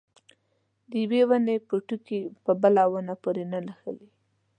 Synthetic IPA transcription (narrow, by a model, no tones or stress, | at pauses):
d̪əjwewanepuʈukipəbəlawənapoɾenəlaxə̰li